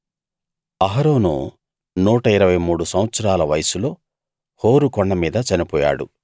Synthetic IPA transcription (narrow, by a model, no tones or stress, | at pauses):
ɐɦɐɾoːnṵ | nuːʈɐiɾɐʋɐjmuːɽusɐwɐt̪sɐɾaːlɐʋɐjɐsulo̞ː | hoːɾukɔɳːɐmiːd̪ɐt͡ʃɐnipɔːja̰ːɽṵ